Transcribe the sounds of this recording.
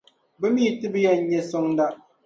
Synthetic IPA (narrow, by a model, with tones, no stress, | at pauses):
bɨ˦miː˦˨tɨ˦bɨ˦ja˦˨˦ɲɛ˦so˦ŋ˦da˦ʔ